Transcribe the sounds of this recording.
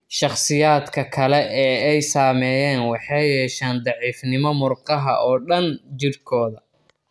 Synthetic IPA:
ʃɑχsɪjaːd̪kʰɐkʰɐlɛʔɛːɛjsaːmɛːjɛːnwɑħɑjɛːʃaːnd̪ɑʕiːfnɪmɔmʊrqɑɦɐ̰ʔɔːɖɐnt͡ʃɪrkʰɔːðɐ

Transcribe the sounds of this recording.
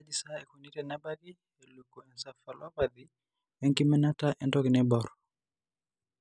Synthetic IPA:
ad͡ʒisaɛkunitɛnabaɡi | ɛlukːuɛnsafalapad̪i | ɛŋkimɛnataʔɛntɔɡinɛbɔɾ

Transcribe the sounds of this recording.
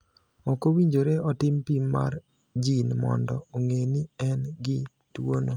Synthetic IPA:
ɔkowiɲd͡ʒoɾeɔtɪmpimːa̰ɾ | d͡ʒinmɔ̰ndɔoŋenɪɛnɡɪ | twono

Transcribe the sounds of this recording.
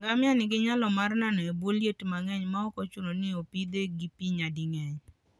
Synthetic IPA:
ŋɡamɪanɪɡɪɲalɔmarnanɔeboljetmaŋɛɲmaɔkɔt͡ʃunonɪopid̪eɡipiɲadɪŋɛɲ

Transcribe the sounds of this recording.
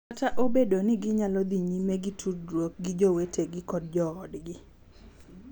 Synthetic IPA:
ataʔobedonɪɡɪɲalɔd̪iɲimɛɡitʰudɾwok̚ɡid͡ʒowetʰeɡɪkɔd̚d͡ʒɔːdɡɪ

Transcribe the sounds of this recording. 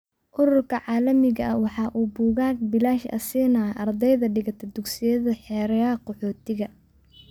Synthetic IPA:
ʔʊɾʊrkʰɐʕɑːlɐmɪɣɐʔɐwɑħɑːʔuːbuːɣaːɡ̚bɪlaːʃɐ̰siːnaʔɐrd̪ɛjðɐɖɪɣɐt̪ʰɐd̪ʊɡsɪjɐðɐħɛːɾɐjaqɔħɔːt̪ʰɪɣɐ

